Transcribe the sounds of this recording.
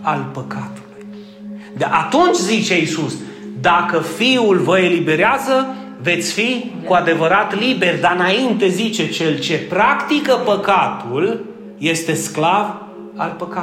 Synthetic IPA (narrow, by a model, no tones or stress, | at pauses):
alpəkat̪u̥luj | d̪ʔat̪unt͡ʃʲzit͡ʃe̞isus | d̪akəfiulvəe̞libe̞ɾeazə | ve̞t̪sʲfikuad̪e̞vəɾat̪libe̞rʲd̪aɨnaint̪e̞zit͡ʃe̞t͡ʃe̞lt͡ʃe̞pɾakt̪ikəpəkat̪ul | je̞st̪e̞sklav | alpəka